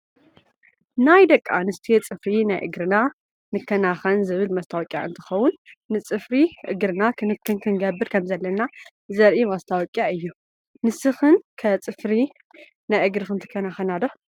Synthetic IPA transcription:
najd̪ɐkʼːanɨst̪ʰijet͡sʼɨfɾinajʔɨ̰ɡɾɨna | nɨkʰːɐnaxɐnzɨβɨlmɐst̪ʰawɔkʲʼja̰ʔɨ̰nt̪ʰɨ̥xɐwʊnːɨt͡sʼɨfɾiʔɨɡɾɨnakʰɨnɨkʰːɨnkʰɨŋɡɐbːɨɾkʰɐmzɐlːɐna | zɐɾʔimɐst̪ʰawɔkʼjaɨjːu | nɨsɨxɨnkʰɐt͡sʼɨfɾi | najʔɨɡɾɨxɨnt̪ʰɨ̥kʰːɐnaxɐnad̪o

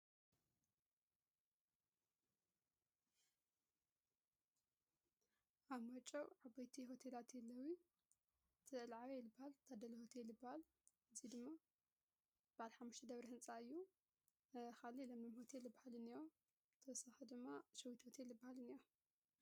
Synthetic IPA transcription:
ʔaβmɐt͡ʃʼːɐwʕabajt̪ʰiɦo̞t̪ʰelat̪jɛlːɐwi | t̪ʰɨɨlʕaβelɨbːahalt̪ʰad̪ɐlɐho̞t̪ʰelɨbːahal | ʔɨzid̪ɨmːa | b̥aʕalħamːuʃt̪ʰɐd̪ɐβɾihɨnt͡sʼaɨjːu | xalilɐmlɐmho̞t̪ʰeljɨbːahalɨnijo | t̪ʰɐwsaxɐd̪ɨmːaʃɐwit̪ho̞t̪ʰelɨbːahalɨnijo

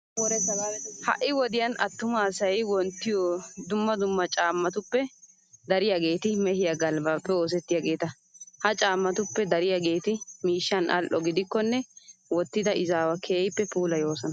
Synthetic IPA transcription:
hɐ̰ʔːɪwɔd̪ɪjɐnɐ̰t̪ːʊmaːsɐjwɔnt̪ːɪjɔd̪ʊmːɐd̪ʊmːɐt͡ʃʼaːmːɐt̪ʊpːɛ | d̪ɐɾɪjaɡe̞ːt̪ɪmɛhɪjaɡɐlbaːpːɛo̞ːs̬ɛt̪ːɪjaɡe̞ːt̪ɐ | hɐt͡ʃʼaːmːɐt̪ʊpːɛd̪ɐɾɪjaɡe̞ːt̪ɪmiːʃːɐnʔɐ̰lʔɔɡɪd̪ɪkːɔnːɛwɔt̪ːɪd̪ɐʔɪzaːwɐkʰeːjpːɛpuːlɐjo̞ːsɐnɐ

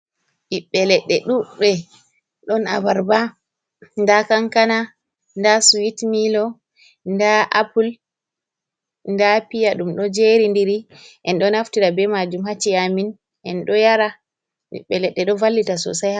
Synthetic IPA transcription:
ɓiɓːɛlɛɗːɛɗuɓɛ | ɗɔnavaɾba | ndakaŋkana | ndasuwitmilɔ | ndaʔapul | ndapijaɗumɗɔd͡ʒeɾindiɾi | ʔɛnɗɔnhaftiɾabɛmad͡ʒumhat͡ʃːiamin | ʔɛnɗɔjaɾa | ɓḭɓːɛlɛɗːɛɗɔvalːitasɔ̰sajha

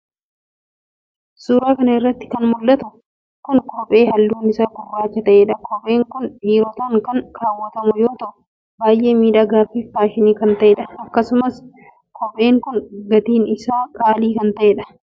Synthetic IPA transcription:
suːɾaːkɐnɐɪrːɐt̪ːɪ̥kɐnmʊlːɐt̪ʊ | kʊŋkʰɔpʼe̞ːhɐlːuːnɪsaːkʊrːaːt͡ʃːɛt̪ɐʔeːᶑɐkʰɔpʼe̞ːŋkʊnᶑiːɾɔt̪ɐŋkɐŋkaːwːɐt̪ɐmʊjo̞ːt̪ɐʔʊ | baːjʔe̞ːmiːᶑaːɡaːfiːft̪aːʃɪniːkɐnt̪ɐʔeːᶑɐɐkːɐsʊmɐs | kʰɔpʼe̞ːŋkʊnɡɐt̪iːnɪsaːkʼaːliːkɐnt̪ɐʔeːᶑɐ̥

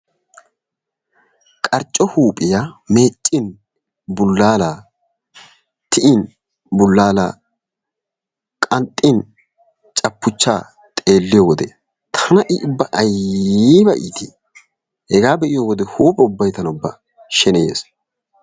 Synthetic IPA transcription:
kʼɐɾt͡ʃʼːɔhuːpʼɪjameːt͡ʃʼːɪn | bʊlːaːlaː | t̪ʰɪʔɪn | bʊlːaːla̰ː | kʼɐnt̪ʼːɪn | t͡ʃʼɐpːʊt͡ʃːaː | t̪ʼe̞ːlːɪjɔwɔd̪ɛ̰ | t̪ʰɐnɐʔɪʔʊbːɐʔɐjibɐʔḭːt̪ʰḭː | hɛɡaːbɛʔɪjɔwɔd̪ɛhuːpʼɛʊbːɐjt̪ɐnʊbːɐ̰ | ʃɛnḛːs

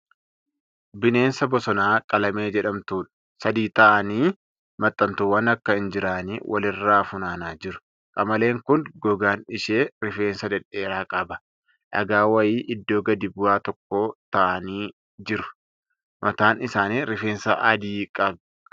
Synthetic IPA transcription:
bɪne̞ːnsɐbɔsɔnaːkʼɐlɐme̞ːd͡ʒɛᶑɐmt̪uːᶑɐ̥ | sɐd̪iːt̪ɐʔɐniː | mɐt̪ʼːɐnt̪ʊwɐnɐkːɐɪnd͡ʒɪɾaːniːwʔɐ̰lɪrːaːfʊnaːnaːd͡ʒɪɾʊ̥ | kʼɐmɐle̞ːŋkʊnɡɔɡaːnɪʃeːɾɪfe̞ːnsɐd̪ɛᶑe̞ːɾaːkʼɐbɐ̥ | ʔɐ̰ɡaːwɐjiːʔɪd̪ːoːɡɐd̪ibʊwaːt̪ɔkːo̞ːt̪ɐʔɐniː | d͡ʒɪɾʊ̥ | mʔɐt̪aːnɪsaːniːɾɪfe̞ːnsɐʔɐd̪iːkʼɐb

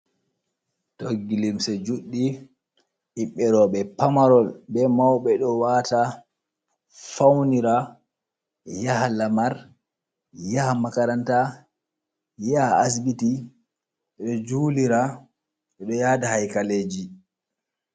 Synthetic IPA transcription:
toɡːilimsɛd͡ʒuɗːi | hiɓːɛɾɔɓɛpamaɾɔlɓɛmawɓɛɗɔwata | fawniɾa | jahalamaɾ | jahamakaɾanta | jaas̬biti | ɛɗɔd͡ʒuːliɾa | ɓɛɗɔjadahajkaleːd͡ʒi

